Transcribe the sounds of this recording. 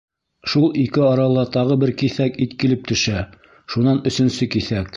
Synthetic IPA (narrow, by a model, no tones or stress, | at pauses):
ʃulˠikɘɑɾɑlˠɑt̪ɑʁɤbɘɾkiθækit̪kilɘp̚t̪ɵ̆ʃæ | ʃunɑnɵ̆sɵ̆nsɵkiθæk